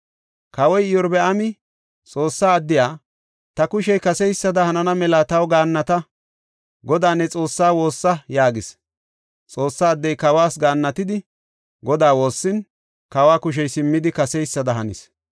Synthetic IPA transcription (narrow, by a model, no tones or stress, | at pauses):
kɐwɔjɪjɔɾbɛʔɐmɪ | t͡sʼo̞ːsːaːɐd̪ːɪjaː | t̪ɐkʊʃɛjkɐsɛjsːɐd̪ɐhɐnɐnɐmɛlaːt̪ɐwɡaːnːɐt̪ɐ | ɡɔd̪aːnːɛt͡sʼo̞ːsːaːwo̞ːsːɐjaːɡɪs | t͡sʼo̞ːsːaːd̪ːɛjkɐwaːsɡaːnːɐt̪ɪd̪ɪ | ɡɔd̪aːwo̞ːsːɪn | kɐwaːkʊʃ̬ɛjsɪmːɪd̪ɪkɐsɛjsːɐd̪ɐɦɐnɪ̰s